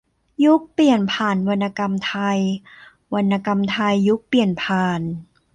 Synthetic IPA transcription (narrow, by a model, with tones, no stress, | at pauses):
ju˦˥k̚pli˨˩ənpʰaː˨˩nwa˧nːa˧ka˧mt̪ʰa˧j | wa˧nːa˧ka˧mt̪ʰa˧jːu˦˥k̚pli˨˩ənpʰaː˨˩n